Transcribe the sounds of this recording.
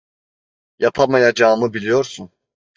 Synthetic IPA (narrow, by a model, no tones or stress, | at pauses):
japʰamajad͡ʒaːmɯbilʲijo̞ɾsun